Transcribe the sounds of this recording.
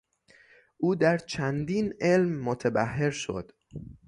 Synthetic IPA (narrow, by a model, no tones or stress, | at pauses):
ʔuːd̪æɾt͡ʃʰænd̪iːnʔe̞lmːot̪ʰebæhːeɾʃo̰d̪̥